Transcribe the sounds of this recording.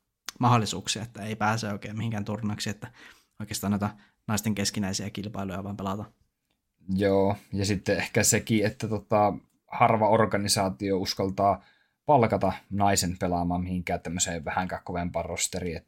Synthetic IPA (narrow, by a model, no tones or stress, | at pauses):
mɑhɑlːˑisuːksiɑet̪ːæeipæːseːoˑikeːmihiŋkæːnt̪urnɑksiet̪ːæ | oikeːst̪ɑːnoˑit̪æ | nɑˑist̪eŋkeskinæisiækilpɑilujɑʋɑˑimpelɑt̪ɑ | joːjɑsit̪ːeehkæsekiet̪ːæt̪ot̪ɑ | hɑrʋɑorɡɑnisɑːt̪iouskɑlt̪ɑː | pɑlkɑt̪ɑnɑisenpelɑmɑːmmihiŋkæːt̪ːæmːøseːʋæhæŋkækkoʋempˑɑːrrost̪eriet̪ːæ